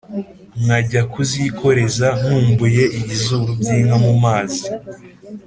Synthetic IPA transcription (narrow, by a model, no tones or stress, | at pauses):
ŋaɟakuzikʰo̞ɾe̞zaŋ̥uːmbuje̞ʔiβizuɾubɟiːmamumaːzi